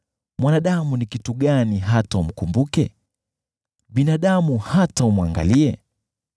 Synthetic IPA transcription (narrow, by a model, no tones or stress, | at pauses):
mwanaɗamunikituɠaniɦataum̩kumbukɛ̰ | ɓinaɗamuhataumwaŋɡa̰liɛ